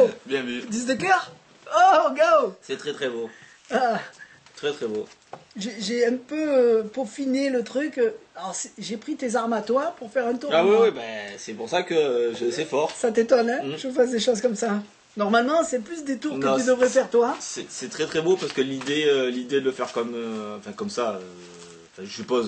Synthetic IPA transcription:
bjɛ̃myd̪izd̪əkœʁ | oɡosɛt̪χɛt̪χɛbo | a | t̪χɛt̪χɛboʒeʒeɛ̃pøpuʁfinelət̪χykalɔʁsɛ̥ʒepχit̪ezaʁmat̪wapuʁfɛʁɛ̃t̪uʁawiwibɛsɛpuʁsakəʒəsɛfɔʁsat̪et̪ɔnɛ̃ʒfɛsd̪eʃozkɔmsa | nɔʁmalmɑ̃sɛplys̬d̪et̪uʁkət̪yd̪əvʁɛfɛʁt̪wasɛsɛt̪χɛt̪χɛbopaʁsə̥kəlid̪eølid̪ed̪ələfɛʁkɔmøɑ̃fɛ̃kɔmsaø̃ | fɛ̃ʒəsypoz

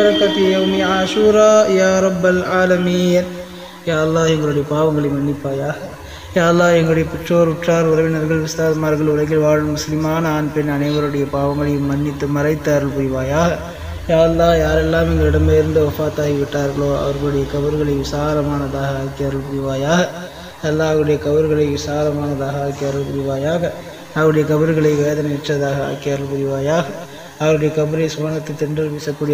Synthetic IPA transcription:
ɐɾɐkːɐt̪ːjjɐwniaːʃuːɾaːjaːɾɐbːɐlaːlɐmiːn | jaːɐlːaːɛŋɡɐɭɯɽɐjɐpaːʋɐŋɡɐɭɐjmːɐɳːɪpːaːjaːɣɐ | jaːɐlːaːɛŋɡɐɭɯɽɐjɐpɪʈroːɾɪʈraːɾʊɾɐʋɪnɐɾɣɐɭʋɪsaːɾɐmaːɾɣɐɭʊɾɐɪɣɪlʋaːɻɯmmːʊslɪmaːnɐaːnpɛnɐnɐɪʋɐɾɯɽɐjɐpaːʋɐŋɡɐɭɐjɯmːɐnːɪt̪ːɯmɐɾɐɪt̪ːaːɾɐlpʊɾɪʋaːjaːɐ | jaːɾɐlːaːjaːɾɛlːaːmɪnɡ̪ɐɪɽɐmbɐɪɾɯnd̪ɯʋɐfaːt̪ːaːɣiʋɪʈːaːɾɣɐɭoːɐ̰ʋɐɾɣɐɭɯɽɐjɐkɐʋɪɾɣɐɭɐɪʋɪsaːɾɐmaːnɐðaːɣɐaːkːijɐɾɐɭpʊɾɪʋaːjaːɣɐ | ɐlːaːɐʋɐɾɯɽɐjɐkɐʋɪɾɣɐɭɐɪʋɪsaːɾɐmaːnɐðaːɣɐaːkːɪɐːɾɐɭpʊɾɪʋaːjaːɣɐ | ɐʋɐɾɯɽɐjɐkɐbɪɾɣɐɭɐɪʋeːðɐnɐʋɛʈrːɐðaːɣɐa̰ːkːɪjɐɾɐɭpʊɾɪʋaːjaːɣɐː | ʋɐɾɯɽɐjɐkɐbɪɾɐɪsʊʋaːnɐt̪ːɯt̪ːɪndɪɾʋɪsɐkːuːɽɪ

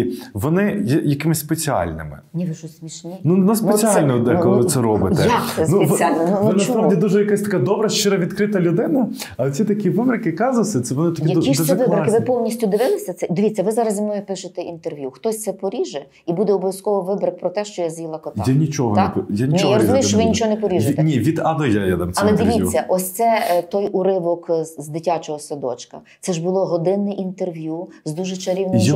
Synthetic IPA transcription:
ʋɔnɪjɛjɐkɪmɪsʲspet͡sʲiɑ̰lʲnɪ̰mɪ̰nʲɛʋɪʒʊsʲmʲiʃnʲinunɐspnet͡sʲsʲiɑlʲnɔd̪ɛɔlˠɪɪʋɪsɛɾɔbɪ̰ɛanuʋʲalʲnnʋɪnɐspɾawdʲid̪uʒɛjɐkasʲt̪ɐ̥kɑd̪ɔbɾɐʃt͡ʃɪɾɐʋʲid̪kɾɪt̪ɐlʲʊd̪ɪnɐ | ɐlˠt͡sʲit̪ɐkʲiʋɪbɾɪkɪkɑzɐsʲɐt̪sɛʋɔnɪt̪ɐkkid̪uiʃɛzɐɪɾkɪʋɪpɔlˠnʲisʲtʲʊd̪ɪʋɪlˠɪsʲɐt̪sɛd̪ɔʋʲit͡sʲːɐʋɪzɑɾɐzʲimnɔjɛpɪʃʊt̪ɛint̪erʋʲjuxt̪ɔsʲt̪sɛpɔɾʲiʒɛ | ibud̪ɛɔbɔʋʲjɐskɔʋɔʋɪbɾɐk̚pɾɔt̪ɛʃt͡ʃɔjazjʲilˠɐkɔt̪ɑ̰anʲit͡ʃɔɦɔ̰kpjanʲinʲt͡ʃijaɾɔzʊmʲejt͡ʃɔʋɪnʲit͡ʃɔɦɔnɛpɔɾʲiʒnʲiʋʲid̪ɑd̪ɔjajad̪ɐmʲɐlˠɛd̪ɪʋʲit͡sʲːɐʔɔsʲt̪sɛt̪ɔjʊɾɪʋɔkzd̪ɪtʲat͡ʃɔɦɔsɐd̪ɔt͡ʃkɐ̰t̪sɛʒbʊlˠɔɦɔd̪ɪnːɪʔint̪erʋjuzd̪uʒɛt͡ʃɐɾʲiwnm

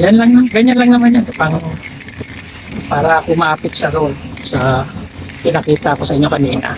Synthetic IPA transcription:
janlɐŋɐɡɐɲanlɐŋnɐmanjankɐpaŋ | paːɾɐpʊmaːpɪt̪̚sɐɾolsɐ | pɪnɐkiːt̪ɐɐko̞sɐʔɪɲːokɐniːnɐ̰

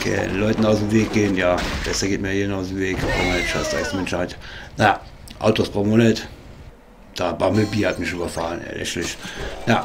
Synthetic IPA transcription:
kʰɛ̰nlɔʏtn̩aʊsm̩veːk̚ɡ̥eːənjaːb̥ɛsɐɡeːtmiːjeːdn̩aʊs̬m̩veːkb̥ʁomɐnɛtʃaɪstaʊsd̥imɛnʃhaɪtnaja | ʔa̰ʊtoːsb̥ʁomonɛt | d̥aːbaːmibiːɐhatmɪʃyːbɐfalənɛ̰lʔɛ̰ʃlɪʃna

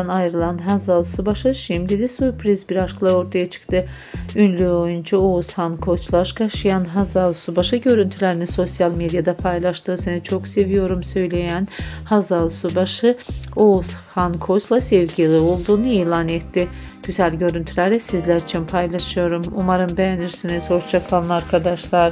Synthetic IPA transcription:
najɾɯlˠanɦazalˠsubaʃɯʃimd̪id̪ɛsyɾpʰɾizbiɾaʃklˠao̞ɾt̪ʰajat͡ʃʰɯ̥kt̪ʰɯ | ynlʲyo̞jund͡ʒaoushankʰo̞t͡ʃlˠaʃkʰaʃɯjanɦazalˠsubaʃɯɟø̞ɾynt̪ʰylʲeɾiniso̞sjalʲˠmed̪jad̪apʰajlˠaʃt̪ɯːsenit͡ʃʰo̞kse̞vijo̞ɾumsø̞jlʲe̞jænhazalˠsubaʃɯoushankʰo̞t͡ʃlˠasɛvɟilʲˠio̞lˠd̪uːnuiːlʲˠanet̪ːiɟ̥yzælʲɟø̞ɾynt̪ʰylʲæɾɛsizlʲæɾit͡ʃʰinpʰajlˠaʃɯjo̞ɾumumaɾɯnbejæniɾsinizo̞ɾt͡ʃʰakʰalˠnɯaɾkʰad̪aʃlˠaɾ

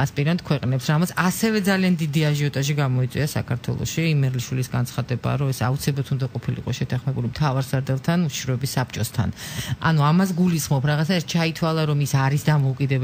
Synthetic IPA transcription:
aspʼiɾant̪̚kʰwɛqʼnɛpsɾamt̪sʰasɛvɛd̪zaliand̪id̪iaʒiɔt̪ʼaʃiɡamɔit̪sʼwḭasa̰kʰaɾt̪ʰwɛ̰lˠɔ̰ʃiimɛɾliʃwilisɡant̪sʰχad̪ɛba̰ɾɔɛsaut̪sʰilɛbat̪ʰund̪aqʼɔpʰilḭqʼɔʃɛt̪ʰaχmɛbulimt̪ʰavaɾsaɾd̪ɛlˠt̪ʰanuʃi̥ʃɾɔɛbisːapʰt͡ʃʼɔst̪ʰa̰na̰nuamas̬ɡulisχmɔpʰɾaʁat̪saɛɾt̪̚t͡ʃʰait̪ʰwalˠaɾɔmisaɾisd̪amɔukʼid̪ɛb

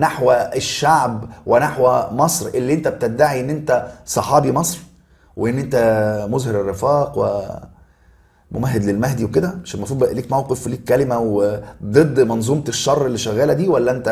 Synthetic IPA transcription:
naħwæʃːaʕbwʔenaħwæmɑsˤɾʔelːiʔent̪æb̚t̪ed̪ːaʕiʔenːʔent̪æsˤɑħɑːbimɑsˤɾ | weʔenːʔent̪æmozheɾerːɪfæːqwḛ | mo̰mæɦːed̪lelmæɦd̪iweked̪æʕaʃænmɑfɾuːd̪ˤbæʔliːkmæwqefliːkːælɪmæwed̪ˤɨd̪ːmɑnzˤuːmt̪ʃːɑrˤːelːeʃːæɣːæːlæd̪iːwælːæʔent̪æ

